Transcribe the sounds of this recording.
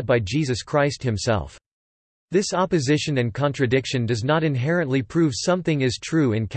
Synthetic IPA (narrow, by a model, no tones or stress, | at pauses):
d̚baɪd͡ʒizɨskʰɹ̥aɪst̚hɨ̃msɛ̰lˠf | ðɪsɑpɨzɪʃɨ̃nɨ̃nkʰɑ̃ntɹ̥ɨdɪkʃɨ̃ndʌznəɾɨ̃nɦɛɹɨ̃nʔlipʰɹ̥ʉv̥sʌ̃mθɪ̃ŋɨz̥tʰɹ̥ʉɨ̃nkʰ